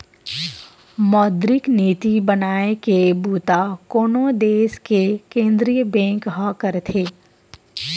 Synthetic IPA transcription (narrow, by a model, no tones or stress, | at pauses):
mɔːd̪ɾɪkneːt̪ibɐnaːekebuːt̪akoːnod̪eːskekẽːnd̪ɾijəbɛ̃ːŋkɦakəɾt̪ʰeː